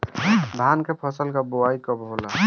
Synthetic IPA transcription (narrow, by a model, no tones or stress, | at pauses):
d̪ʱankepʰɔsəlkaboajkɔbɦola